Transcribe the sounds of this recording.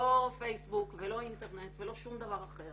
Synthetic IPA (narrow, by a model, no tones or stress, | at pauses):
o̞fe̞jsbukvelo̞int̪e̞ʁne̞tvelo̞ʃumd̪avaʁaχe̞ʁ